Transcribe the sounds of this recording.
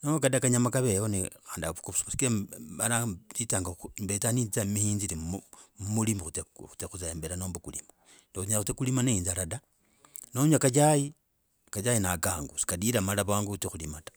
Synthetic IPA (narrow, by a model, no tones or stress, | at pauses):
nookadakaɲamakaβejonixaːndiaβukuβusmasi̥kilealat͡sitaːŋɡaumbetanit͡samihiːnziliumulimixut͡seu̥t͡sexut͡saeːmbeɾanoːmbukulḭma | nexuɲaxut͡sekulimaneiːnzalada | noɲakat͡ʃaji | kat͡ʃajinakaŋɡusi̥kadiɾamalaβaːŋɡut͡sexulimatḁ